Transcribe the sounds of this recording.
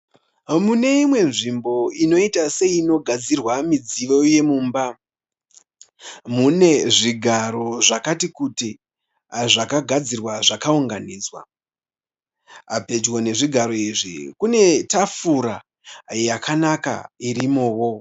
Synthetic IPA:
mune̞imwe̞nʐimbo̞ino̞itase̞iːno̞ɡʱad͡zirwamid͡ziʋo̞je̞muːmba | mune̞ʐiɡʱaɾo̞ʐakatikuti | ʐakaɡʱad͡zirwaʐakauŋɡaniːd͡zwa̰ | ape̞d͡ʒwone̞ʐiɡʱaɾo̞iʐḭkune̞tafuɾa | jakʰanaka̰irimoːwo̞

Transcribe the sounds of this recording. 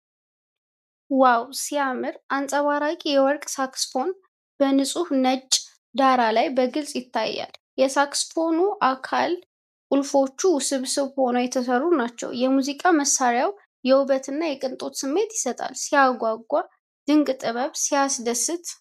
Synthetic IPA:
wawsijamɨɾʔansʼəβaɾakʼijɛwɔɾkʼsaksfo̞n | b̥ənɨsʼuhnət͡ʃʼː | d̪aɾalajbəɡɨlsʼjɪt̪ːa̰jːa̰ljɛsaksfo̞nuʔakʰal | kʼulfo̞t͡ʃːusɨβsɨβho̞nəjɛt̪ʰəsərːunat͡ʃːɛ̰wjɛmuzikʼaməsːaɾijaw | jɛwuβət̪ʰɨnːajɛkʼɨnt̪ʼot̪sɨmːe̞t̪jɪ̥sət̪ʼa̰lsijaɡʷaɡʷːa | d̪̥ɨŋkʼt̪ʼɨβəβsijasd̪əsɨt̪

